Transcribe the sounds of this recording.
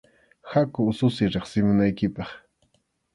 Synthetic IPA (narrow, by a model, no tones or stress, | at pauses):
xakʊʊsʊsɪɾeχsɪmʊnajkɪpɑχ